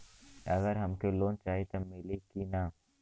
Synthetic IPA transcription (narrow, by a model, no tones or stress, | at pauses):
ɐɡəɾɦɐmkeloːnt͡ʃaːɦit̪omɪlekinaː